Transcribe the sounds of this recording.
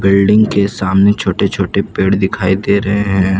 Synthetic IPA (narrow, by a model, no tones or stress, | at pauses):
bɪlɖɪ̃ŋɡkesaːmnet͡ʃʰoːʈet͡ʃʰoːʈepeːɽd̪ɪkʰaːid̪eːɾɐɦeɦɛ̃ː